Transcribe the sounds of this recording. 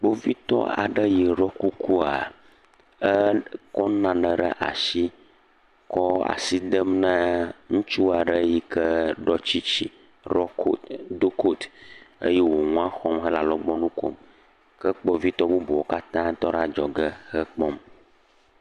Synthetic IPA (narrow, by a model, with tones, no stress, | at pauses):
k͡po˦vi˦t̪ɔ̰˦a̰˨ɖə˦ji˨ɾɔ˦ku˦ku˦a˨ | ə˦kɔ˦nã˨nə̃˨ɖə̰˦ʔa̰˨ʃi˦ | kɔ˦a̰˨si˦d̪ə˦mnə̃˦ŋũ˦t͡ʃu˦a˨ɖə˦ji˦kə˦ɖɔ˦t͡ɕi˦t͡ɕi˦ | ɾɔ˦ko˨d̪o˦kʰo˦t̪ə̰˦jɛ˦wo˨ŋũ˦a˦xɔ˦mɦə˦la˨lɔ˦ɡ͡bɔ˦nũ˦ko̰˦m | kə˦k͡pɔ˦vi˦t̪ɔ˦bo˦bo˨wo˦ka˦t̪ã˦t̪ɔ˦ɖa˦d͡ʒɔ˨ɡə˦hə˦k͡pɔ˦m